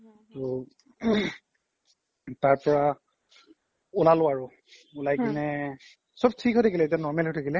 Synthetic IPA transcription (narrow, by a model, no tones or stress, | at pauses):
tʊ | taɹpɔɹa | ʊlalʊaɹʊ | ʊlajkinɛ | sɔb̚tʰikɦɔjtʰakilɛet̬janɔɹmɛlɦɔjtʰakilɛ